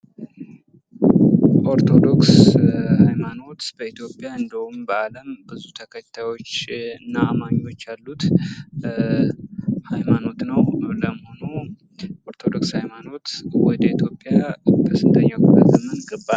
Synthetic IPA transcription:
ʔo̞ɾt̪ʰo̞d̪o̞kshajmano̞t̪b̥əit̪jo̞pʼːjaɨnd̪əhumbəaləmbɨzut̪ʰəkʰət̪ʰajo̞t͡ʃːɨnːaːmaɲo̞t͡ʃːalːut̪ | hajmano̞t̪nəwləməho̞nu | ʔoɾt̪ʰo̞d̪o̞kshajmano̞t̪wɔd̪əit̪ʰjo̞pʼːjab̪ʰəsɨnt̪ʰəɲːawkulə̰ɡɨmːɨnɡɨbːa

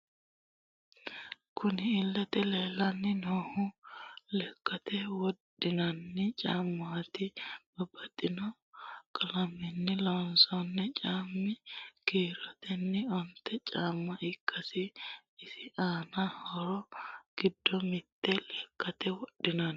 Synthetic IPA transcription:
kʊnɪɪlːɐt̪ɛleːlɐnːɪnoːhʊlɛkːɐt̪ɛwɔɗɪnɐnːɪt͡ʃʼaːmːat̪ɪb̥ɐbɐt̪ʼːɪnɔ | kʼɐlɐmːɪnːɪlɔnsɔnːɛt͡ʃʼaːmːɪkiːɾɔt̪ɛnːɪɔnt̪ːɛt͡ʃʼaːmːɐʔɪkʰːɐsɪ | ɪsɪʔaːnahɔɾɔɡ̥ɪd̪ːɔmɪt̪ʼːɛlɛkːɐt̪ɛwɔɗɪnɐn

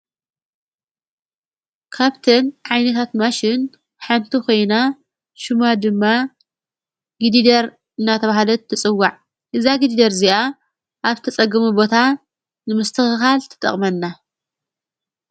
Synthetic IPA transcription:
kʰaβt̪ʰɨnʕajnɐt̪ʰat̪maʃɪn | ħant̪ʰikʰo̞jna | ʃumad̪ɨmːa | ɡɨd̪id̪ɐɾ | ɨnːat̪ʰɐβahalɐt̪ʰːɨt͡sʼɨwːaʕ | ʔɨzaɡid̪id̪ɐɾziʔa | ʔaβt̪ʰɐt͡sʼɐɡɨmubo̞t̪ʰa | nɨmɨst̪ʰɨxɨxalt̪ʰɨ̥t̪ʼɐ̰χʼmɐnːa

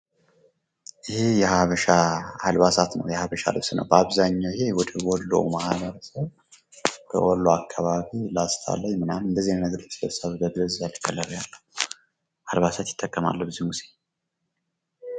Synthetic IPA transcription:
jɪhejɛhaβəʃahalbasat̪nə̰wjɛhaβəʃa̰lɨβsnə̰wbəaβzaɲːawjɪhewɔd̪əwɔlːo̰wmahβəɾəsəβ | kʰə̰wɔlːoakʰːaβaβilast̪ʰa̰lːəjmɨnamɨnd̪əzːihnəɡɾset̪ʰsəβɡəɡɨzjalːɨkʰʼːəlːəɾjalːəhu | halβasat̪jɪ̥t̪ʼːəkʼːəma̰lːəbɨzimuse

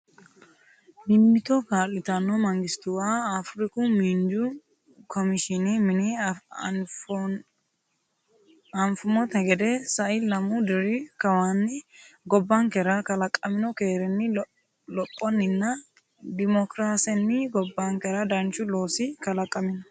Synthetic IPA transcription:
bɪmːɪt̪ɔkaːlːɪt̪ɐnːɔmɐŋɡɪst̪ʊwaːfɾɪkʊmiːnd͡ʒʊ | kʰɔmɪʃɪnimɪni | ɐnfʊmɔt̪ɛɡɛd̪ɛsɐʔɪlɐmʊd̪ɪɾɪkɐwanːɪɡɔbːaŋkɛɾɐkɐlɐkʼːɐmɪnɔke̞ːɾɛnːɪ | lɔpʼːɔnːɪnːɐ | d̪ɪmɔkɾaːsɛnːɪɡɔbːaŋkɛɾɐd̪ɐnt͡ʃːʊlo̞ːsɪkɐlɐkʼːɐmɪnɔ

